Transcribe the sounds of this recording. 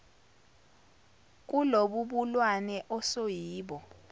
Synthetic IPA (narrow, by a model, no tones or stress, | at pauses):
k̬uloɓuɓulwanɛʔɔsojiːɓɔ